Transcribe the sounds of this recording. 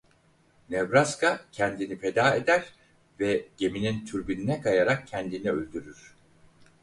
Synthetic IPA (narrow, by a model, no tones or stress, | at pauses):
nɛvɾaskʰacʰɛnd̪inifed̪aːed̪æɾ | vɛɟ̥e̞minint̪ʰyɾbininɛkʰajaɾak̚cʰɛnd̪inɛølʲd̪yɾyɾ̥